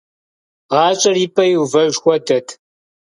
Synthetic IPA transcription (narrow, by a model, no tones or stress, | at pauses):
ʁɑːt͡ʃʼɐriːpʰʼɐjwvɐʒxʷɔdɐtʰ